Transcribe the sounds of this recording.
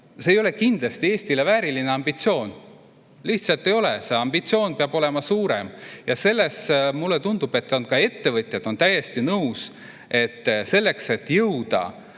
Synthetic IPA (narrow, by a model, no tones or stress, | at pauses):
se̞ːjo̞le̞kind̪̥lɑst̪ie̞ːst̪ilevæːɾilineɑmb̥it̪sio̞ːn | liht̪sɑlt̪ːˑe̞jo̞lese̞ɑmb̥it̪sio̞ːnpeɑb̥o̞le̞mɑsuːɾe̞mjɑse̞lːe̞smulːet̪und̪̥ub̥e̞t̪ːˑonkɑe̞t̪ːe̞vɤt̪ʲˑjɑd̪̥o̞nt̪æje̞st̪inɤus | e̞t̪ːse̞lːe̞kse̞t̪ːjɤwd̪̥ɑ̰